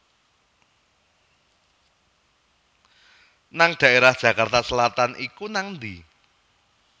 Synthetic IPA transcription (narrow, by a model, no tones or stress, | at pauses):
naŋɖ̪̥ä̤ʔeɾahd̥ʒ̥ä̤kart̪asəlat̪anʔikunaŋnd̪i